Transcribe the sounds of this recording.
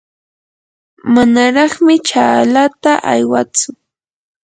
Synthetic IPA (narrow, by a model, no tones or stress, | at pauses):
manaɾɑχmɪt͡ʃaːlat̪aʔa̰jwat͡sʊ